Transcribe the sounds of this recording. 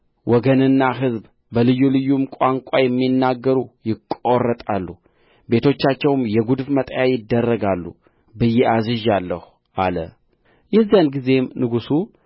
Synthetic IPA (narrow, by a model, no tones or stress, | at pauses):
wʔɔɡənɨnːaɦɨzb | bəlɨjːulɨjːumkʷʼaŋkʷʼajɛmːinːaɡːəɾujɪkʼːo̞rːət̪ʼalːu | be̞t̪ʰo̞t͡ʃːat͡ʃːɛwmjɛɡud̪fmət̪ʼjajɪd̪ːərːəɡalːṵ | bɨjɛʔazɨʒalːəhu | ʔalə̰ | jɛzjanɡize̞mnɨɡusu